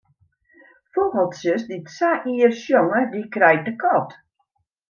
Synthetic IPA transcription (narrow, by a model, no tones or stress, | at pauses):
fobəlˠtsəsditsaʔiərsjoŋədikrɛj̚dəkʰɔt